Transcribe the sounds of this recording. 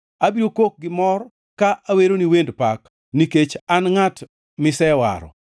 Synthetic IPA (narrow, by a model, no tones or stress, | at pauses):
abiɾokok̚ɡɪmɔr | kaʔaweɾoniwendpak | niket͡ʃanŋat | mɪsɛwa̰ɾɔ̰